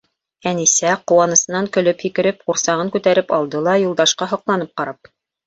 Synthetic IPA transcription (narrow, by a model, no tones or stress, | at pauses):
ænisæqŭwɑnɤ̆sɤ̆nɑŋkɵ̆lɵphikɘ̆ɾɘp̚quɾsɑʁɤŋkʉt̪æɾɘpɑlˠd̪ɤlˠɑjulˠd̪ɑʃqɑɦŏqlˠɑnɤp̚qɑɾɑp̚